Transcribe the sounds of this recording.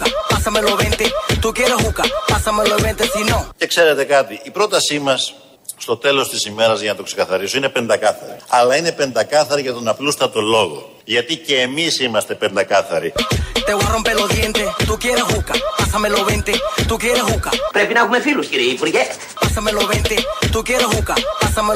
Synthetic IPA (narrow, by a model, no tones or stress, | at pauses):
kapasamelo̞βent̪et̪ukjeɾeɦukapasameloβent̪esinõŋce̞kse̞ɾe̞t̪e̞kɐt̪iʔipɾo̞t̪ɐsimɐs | st̪o̞t̪e̞lo̞st̪isime̞ɾɐzʝɐnɐt̪o̞kse̞kɐθɐɾisoine̞pe̞nd̪ɐkɐθɐ̰ɾḭɐlɐine̞pe̞nd̪ɐkɐθɐɾiʝɐt̪o̞nɐplust̪ɐt̪o̞lo̞ɣo̞̰ | ʝɐt̪iceːmisimɐst̪e̞pe̞nd̪ɐkɐθɐɾit̪eɣwarompeloðjent̪et̪ukjeɾeɣukapasameloβent̪et̪ukjeɾeɦukapɾepinaɣumefiluskiɾeipuɾʝe | pasameloβent̪et̪ukjeɾeɦukapasame